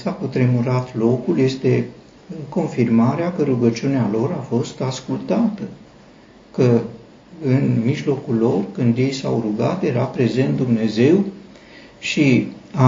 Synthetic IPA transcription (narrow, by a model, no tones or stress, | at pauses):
sakut̪ɾe̞muɾat̪lo̞kulje̞st̪e̞ | ko̞nfirmaɾeakəɾuɡət͡ʃiunealo̞ɾafo̞st̪askult̪at̪ə | kə | ɨnmiʒlo̞kulːo̞rkɨnd̪je̞jsawruɡat̪je̞ɾapɾe̞ze̞nt̪̚d̪umne̞ze̞w | ʃia